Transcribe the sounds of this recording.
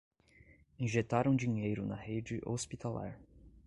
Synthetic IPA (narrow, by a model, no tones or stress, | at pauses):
ĩʒet̪aɾɐ̃w̃d͡ʒĩɲejɾʊnɐhed͡ʒɪʔospit̪ala̰ɾ